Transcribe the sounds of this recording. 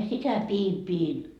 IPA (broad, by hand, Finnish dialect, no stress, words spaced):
jɑ sitæ piːm piːn